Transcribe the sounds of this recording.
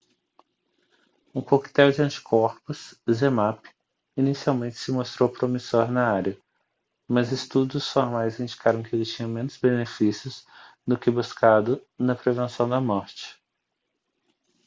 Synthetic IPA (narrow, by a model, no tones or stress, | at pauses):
ũkokt̪ɛwd͡ʒɪɐ̃nt͡ʃɪ̥kʰɔɾpʊszemapɪ̥ | inisiawmẽnt͡ʃɪ̥sɪmost̪ɾowpɾomisoɾnɐaɾɐ | mɐzɪst̪ud̪ʊsfoɾmajzĩnd͡ʒikaɾɐ̃w̃kɪelɪt͡ʃĩɲɐ̃mẽnʊz̥benefisjʊsd̪ʊkɪbuskad̪ʊnɐpɾevẽsɐ̃w̃d̪ɐmɔɾt͡ʃɪ̥